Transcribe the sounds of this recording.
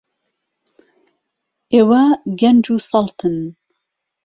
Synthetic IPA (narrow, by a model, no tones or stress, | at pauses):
ʔeːwɐɡɛnd͡ʒuːsɑlˠt̪ʰɨn